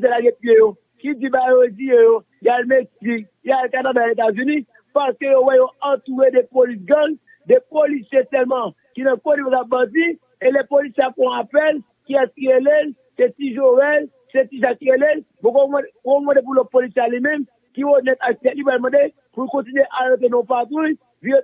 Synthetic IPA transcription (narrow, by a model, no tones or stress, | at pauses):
zelaɡɛ̃pjejo | kid͡zĩbajoizijejo | jalmeksik̚ | jalkanadaet̪azynĩ | paskøjowɛjoãt̪uʁedɛpolisɡãɡ | depolisjetɛlmʌ̃ | kinãkonibokabãdi | elepolisjeakɔ̃apɛl | kiaielel | set̪iʒovɛl | set̪iʒakːielel | bokom̃omãdep̬ulɔt̪̚polisialimɛ̃m | kionɛt̪ak̚t̪ɛtlipwalmãde | pulkɔ̃tinɥeʔaɣet̪̬enõpat̪uj | vijo